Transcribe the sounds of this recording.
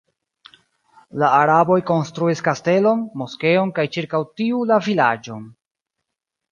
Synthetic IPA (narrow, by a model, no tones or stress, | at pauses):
laːɾabo̞jko̞nstɾuiskaste̞lo̞nmo̞ske̞o̞nkajt͡ʃiɾkawtiulavilad͡ʒo̞n